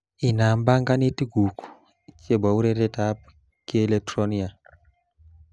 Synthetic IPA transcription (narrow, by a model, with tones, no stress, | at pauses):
i˨na˨mba˦ŋɡa˦ni˦ti˦ɡu˨ku̥˨ | t͡ʃe˦ba˨u˦ɾe˦ɾe˦ta˦p | ki˦e˦le˦k̚tro˦ni˦a˨